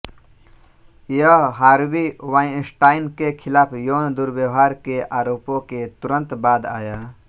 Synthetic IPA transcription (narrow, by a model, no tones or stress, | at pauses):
jəɦaːɾbiwãĩsʈaːinkekʰilaːpʰjond̪uɾbjəwɦaːɾkeʔaːɾoːpõket̪uɾə̃nt̪baːd̪a̰ja